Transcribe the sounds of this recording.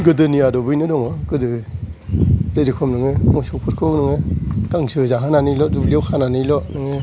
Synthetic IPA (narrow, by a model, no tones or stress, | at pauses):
ɡɯdɯniadɔbɯjnɯdɔŋɔɡ̥ɯdɯ | lejɾikʰɔmnɯŋɯmɔsɔwpʰɯɾkʰɯwnɯŋɯɡ̥aŋsɯzaɦɯnanilɔdubliawkʰananilɔnɯŋɯ